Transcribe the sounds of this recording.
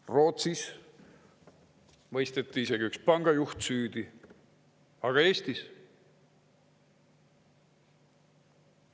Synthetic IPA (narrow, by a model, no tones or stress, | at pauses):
ro̞ːt̪sis | mɤjst̪et̪ːˑiise̞ɡiykspɑŋɡ̥ɑjuht̪syːd̪i | ɑɡ̥ɑe̞ːst̪is